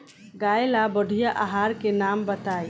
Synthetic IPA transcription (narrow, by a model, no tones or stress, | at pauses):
ɡaːjlabəɖʱijaʔaɦaːɾkenambət̪aːj